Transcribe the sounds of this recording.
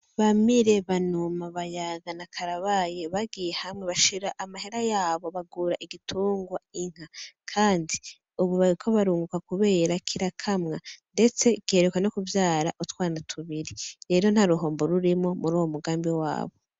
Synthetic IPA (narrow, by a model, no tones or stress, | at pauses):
βamiɾe̞βanumaβajaɡanakʰaɾaβaje̞βaɡijehamŋe̞βaʃiɾaʔamahe̞ɾajaːβo̞βaɡuːɾaʔiɡitʰuːŋɡwaiŋ̥hakʰaːndi | uβuβaɾikʰo̞βaɾuːŋɡukakuβe̞ːɾakʰiɾakʰamŋande̞t͡se̞ɡ̥iheɾekwano̞kuvjaːɾaʔutwaːnatʰuβiɾiɾe̞ːɾo̞n̥haɾuɦo̞ːmbo̞ɾuɾimo̞muɾuːwomuɡaːmbiwa̰ːβo̞